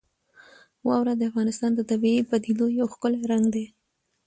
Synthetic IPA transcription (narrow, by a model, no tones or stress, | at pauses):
wɑwɾad̪əafɣɑnɪst̪ɑnd̪ət̪abiebad̪id̪ojawxkəleɾaŋɡd̪e